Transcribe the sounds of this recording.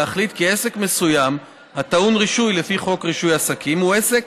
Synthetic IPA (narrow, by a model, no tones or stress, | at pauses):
aχlit̪kie̞se̞kme̞sujam | hat̪aunʁiʃujle̞fiχo̞kʁiʃujasakʰimue̞sek